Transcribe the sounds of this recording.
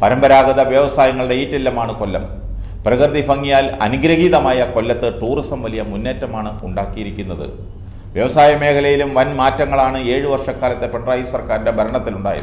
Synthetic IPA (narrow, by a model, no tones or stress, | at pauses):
pɐɾɐmbɐɾaːɡɐðɐʋjɐʋɐsaːjɐŋːɐɭɨɽe̞iːtːilːɐmaːɳɨkolːɐm | prɐkrðifɐŋːijaːlɐ̰nuɡɾɐɣiːðɐmaːjɐko̞lːɐt̪ːɨʈuːrisɐmʋɐlijɐmunːeːtːɐmaːɳɨuɳɖaːkːijiɾikʲːunːɐðɨ̰ | ʋjɐʋɐsaːjɐme̞ːkʰɐlɐjilumʋɐnmaːtːɐŋːɐɭaːɳɨe̞ːɻɨʋɐrʂɐkːaːlɐt̪ːepeɳɖraːjisɐrkaːɾinde̞bʱɐɾɐɳɐt̪ːiluɳɖa̰ːjɐ̰